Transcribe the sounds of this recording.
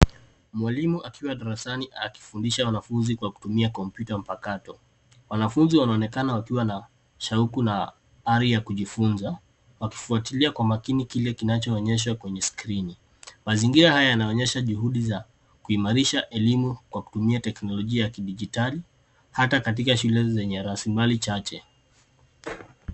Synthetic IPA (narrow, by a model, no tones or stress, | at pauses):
mwalimuʔakʰiwaɗaɾasaniʔaki̥fundiʃawanafunzikwaku̥tumiakɔmpjutam̩pakatɔ | wanafunziwanaɔnɛkanawakiwana | ʃaukuna | aɾijakuʄifunza | waki̥fuatiliakwamakinikilɛkinat͡ʃɔːɲɛʃ̬wakwɛɲɛskɾini | maziŋɡiɾahajajanaɔɲɛʃaʄuhuɗiza | kuimaɾiʃaʔɛlimukwaku̥tumiatɛknɔlɔʄiajakiɗiʄitali | hatakat̬ikaʃulɛzɛɲɛɾasimbalit͡ʃat͡ʃɛ